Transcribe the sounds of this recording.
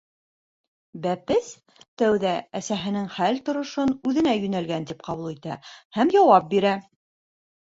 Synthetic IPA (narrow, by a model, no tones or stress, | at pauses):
bæpɘs | t̪æwðææsæɦɘ̆nɘŋχælt̪ŏɾŏʃonʉðɘ̆næjɵ̆nælɡænt̪ip̚qɑβulˠit̪æhæmjɑwɑp̚biɾæ